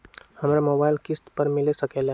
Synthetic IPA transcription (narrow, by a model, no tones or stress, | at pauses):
həmɾamoːbaɪlkɪst̪pəɾmɪlesəkel